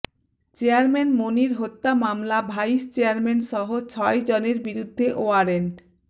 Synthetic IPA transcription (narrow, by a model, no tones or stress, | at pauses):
t͡ɕeaɾmenmoniɾɦot̪ːamamlabʱajist͡ɕeaɾmenʃɔɦot͡ɕʰɔed͡ʑoneɾbiɾud̪ʱːeʔoaɾeɳʈ